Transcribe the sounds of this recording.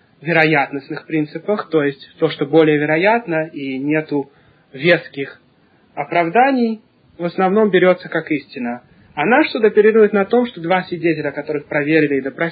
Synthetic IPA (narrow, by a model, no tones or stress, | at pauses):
vʲɪɾɐjat̪nəsnɨxpɾʲint̪sɨpəxt̪o̞jɪsʲtʲt̪o̞ʂt̪o̞bo̞lʲɪjəvʲɪɾɐjat̪nəinʲe̞t̪ʊ | vʲet̪skʲɪx | ɐpɾɐvd̪anʲɪj | vəsnɐvno̞mbʲɪɾʲo̞t̪səkakisʲtʲɪnːə | ɐnaʂt̪ud̪aɐpʲɪɾʲiɾʊjɪt̪nɐt̪o̞mʂt̪od̪vasʲvʲɪdʲetʲɪlʲəɐkɐt̪o̞ɾɨxpɾɐvʲeɾʲɪlʲɪːd̪əpɾɐ